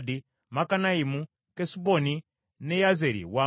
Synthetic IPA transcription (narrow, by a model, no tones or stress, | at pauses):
di | makanaimu | kɛsuboni | nɛjazeɾḭwa